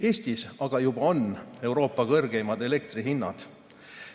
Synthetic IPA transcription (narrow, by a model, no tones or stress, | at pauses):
e̞ːst̪isɑɡ̥ɑjub̥ɑo̞ne̞wɾo̞ːpːˑɑkɤrɡ̥ejmɑd̪e̞le̞k̚t̪riɦinːɑ̰d̪̥